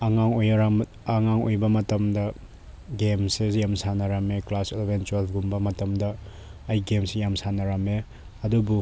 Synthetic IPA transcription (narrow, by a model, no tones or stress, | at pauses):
ɐŋaŋojɾa | ɐŋaŋo̰jbɐmɐtɐmdɐ | ɡemsejamsanɐɾɐmeklaselbent͡ʃwalɡumbɐmɐtɐmdɐː | jɡemsijamsanɐɾɐme | ɐdubu